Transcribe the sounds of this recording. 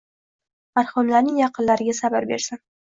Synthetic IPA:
maɾhʊmlaɾnɪŋjɑqɨnlaɾɪɡʲasabaɾbe̞̰ɾsan

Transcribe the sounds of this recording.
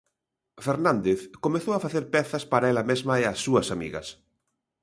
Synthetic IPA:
feɾnãnd̪eθkomeθoafaθeɾpɛθaspaɾaelamezmaeasːuasamḭɣa̰s

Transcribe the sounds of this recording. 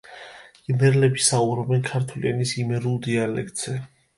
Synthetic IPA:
ɡ̥nɛɾɛlɛbisaubɾɔbɛnkʰaɾt̪ʰwlḭanisimɛɾulˠd̪ialɛ̰kʰt̪z̥ɛ

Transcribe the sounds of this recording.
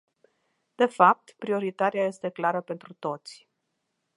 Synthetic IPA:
d̪̥e̞fap̚t̪pɾio̞ɾit̪aɾeaje̞st̪e̞klaɾəpe̞nt̪ɾut̪o̞t̪sʲ

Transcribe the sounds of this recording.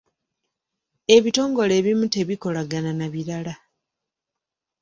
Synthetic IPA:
e̞βito̞ːŋɡo̞le̞ːβimute̞βiko̞laɡananaβiɾala

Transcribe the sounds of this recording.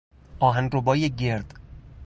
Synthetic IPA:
ʔɒːɦænɾobɒːjeɟeɾd̪̥

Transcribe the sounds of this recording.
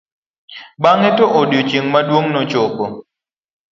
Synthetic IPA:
ɓaŋɛtɔʔodjot͡ʃiŋmaɗwoŋnɔt͡ʃokɔ

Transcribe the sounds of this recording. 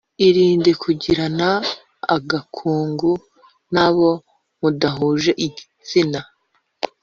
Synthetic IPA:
iɾiːndekʰuɟiɾana̰ː | ɡakʰuːŋɡu | naβo̞ | mudaɦuːʒe̞ʔiɟi | t͡sina

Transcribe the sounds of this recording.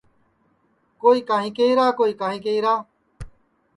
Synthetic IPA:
koːiːkãːɦĩːkeiːɾaːkoːiːkãːɦĩːk̬eiːɾaː

